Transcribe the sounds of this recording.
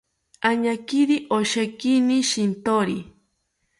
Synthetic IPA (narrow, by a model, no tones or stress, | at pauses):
aɲakiɾiʔoʃakiniʃint̪oɾi